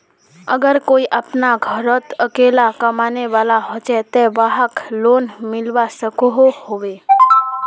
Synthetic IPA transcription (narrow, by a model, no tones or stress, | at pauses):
ə̰ɡəɾkoiʔapnaɡʱəɾət̪əkelakəmaneʋalaɦot͡ʃɛt̪ɛʋaɦəklonmɪlʋasəkoɦohoʋe